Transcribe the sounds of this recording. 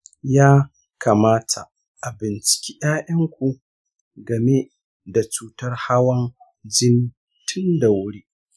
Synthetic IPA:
jaː˦ | kʰaː˨maː˦tʰa˨ | ʔa˨bɪ˨nt͡ʃɪ̥˨kʲiː˦ʔaː˦ʔɐ˦ŋkʷu˨ | ɡɐ˨me˦ | da˨t͡ʃuː˦tɐ˦rha˦wɐ˦n | d͡ʒɪ˦n | tʰʊ˦nda˨wʊ˦ɽiː˦

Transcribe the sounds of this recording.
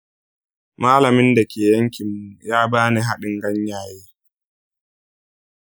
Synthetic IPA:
maː˦lɐ˨mɪ˦nda˨kʲeː˨jɐ˦ŋkʲɪ˨mːu˦˨jaː˦baː˦ni˨ɦa˦ɗɪ˨ŋɡɐ˦ɲjaː˨jeː˦

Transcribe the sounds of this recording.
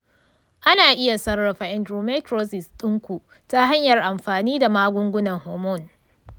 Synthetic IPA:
ʔa˦naː˨ʔɪ˦ja˨sɐ˦rːɐ˨ɸa˨ʔɛ˨ndɾuː˨ma˦tɾoː˦sɪ˨stʼʊ˦ŋkʷu˨ | ta˦ɦa˦ɲjɐ˨rʔa˨mɸaː˨niː˦da˨maː˦ɡʷʊ˦ŋɡʷʊ˦nɐ˨ŋhoː˨mɔ˦˨n

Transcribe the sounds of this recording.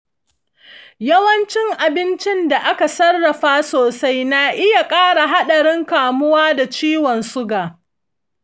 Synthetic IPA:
jɐ˦wɐ˦nt͡ʃɪ˦ŋʔa˨bɪ˦nt͡ʃɪ˦nda˨ʔa˦ka˨sɐ˦rːɐ˨ɸaː˦soː˨sa˦jna˨ʔɪ˦ja˨kʼaː˦ɽa˨ɦa˦ɗɐ˨ɽɪ˦ŋkaː˨mʊ˦waː˦da˨t͡ʃiː˦wɔ˨nsʊ˦ɡaː˨

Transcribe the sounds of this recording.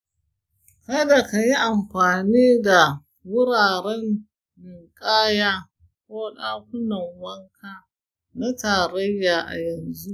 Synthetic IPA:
kɐ˦da˨ka˨ji˦ʔa˨mɸaː˨niː˦da˨ | wʊ˦ɾaː˨ɾɛ˦n | mɪ˨ŋkʼaː˦jaː˦ | kʷoː˦ɗaː˦kʷʊ˦nɐ˨ŋwɐ˦ŋkʰaː˦ | na˦taː˨ɾɐ˦jːaː˨ʔa̰˨jɐ˨nzu˦ʔ

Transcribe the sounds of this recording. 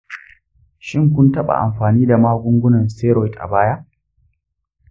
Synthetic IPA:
ʃɪ˦ŋk̬ʷʊ˦ntɐ˦ɓa̰˨ʔa̰˨mɸaː˨niː˦da˨maː˦ɡʷʊ˦ŋɡʷʊ˦nɐ˨nseː˦ɾɔ˨jtʔa̰˨baː˦ja˦ʔ

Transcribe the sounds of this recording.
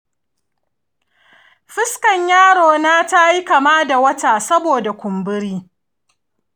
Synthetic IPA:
ɸɪ˦skɐ˨ɲjaː˦ɽoː˨naː˦ta˦ji˦kɐ˨maː˦da˨wɐ˦taː˨sɐ˦boː˨da˨kʷʊ˨mbɪ˦ɾiː˦

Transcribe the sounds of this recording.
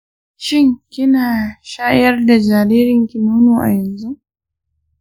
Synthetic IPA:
ʃɪ˦ŋkʲɪ˦naː˨ʃaː˦jɐ˦rda˨d͡ʒaː˨ɾeː˦ɾɪ˨ŋkʲi˨nuː˦nuː˨ʔa̰˨jɐ˨nzu˦

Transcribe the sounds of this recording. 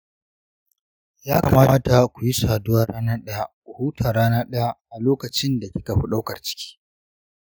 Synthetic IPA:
jaː˦ka˨maː˦a˦ta˨kʷu˨ji˦saː˨dʊ˦waː˦ɽaː˦naː˦ɗɐ˦ja˦˨kʷu˨huː˦tʰaː˨ɾaː˦naː˦ɗɐ˦ja˦˨ʔa˨loː˦kɐ˨t͡ʃɪ˦nda˨kʲɪ˦ka˨ɸi˦ɗa˦wkɐ˨rt͡ʃɪ̥˦kʲi̥ː˦

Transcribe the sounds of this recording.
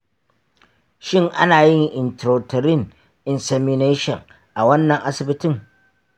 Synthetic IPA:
ʃɪ˦ŋʔa̰˦naː˨jɪ˦ŋʔɪ˨ntɾoː˨tɐ˨ɾɪ˦ŋ | ʔɪ˨nsɛ˨mɪ˦neː˦ʃɔ̰˨ŋ | ʔa˨wɐ˦nːɐ˨ŋʔa˦sɪ˨bɪ˦tɪ˦ŋ

